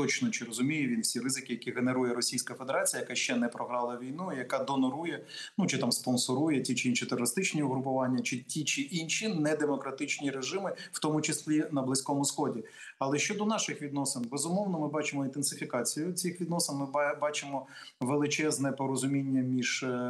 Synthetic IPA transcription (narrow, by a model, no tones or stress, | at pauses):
t̪ɔt͡ʃnɔt͡ʃɪɾɔzʊmʲijʊʋʲinwsʲiɾɪzɪkɪjɐkʲiɦeneɾujɛɾɔsʲijsʲkɐfed̪eɾɑt͡sʲijɐjɐkaʃt͡ʃɛnɛpɾɔɦɾɑlˠɐʋʲijnuijɐkɑd̪ɔnɔɾujɛ | nut͡ʃɪt̪ɑmspɔnsɔɾujɛt͡sʲit͡ʃɪinʃit̪erɔɾɪst̪ɪt͡ʃnʲiʊɦɾʊpʊʋɑnʲːɐt͡ʃɪtʲit͡ʃɪʔinʃinɛd̪emɔkɾɐt̪ɪt͡ʃnʲiɾeʒɪmɪwt̪ɔmʊt͡ʃɪslʲinɐblˠɪsʲkɔmʊsxɔdʲi | ɐlˠɛʃt͡ʃɔd̪ɔnɑʃɪxʋʲid̪nɔsɪnbezʊmɔwnɔmɪbɑt͡ʃɪmɔint̪ensɪfʲikɑt͡sʲijʊt͡sʲixʋʲid̪nɔsɪnmɪbɑt͡ʃɪmɔ | ʋelˠɪt͡ʃɛznɛpɔɾɔzʊmʲinʲːɐmʲiʒ̥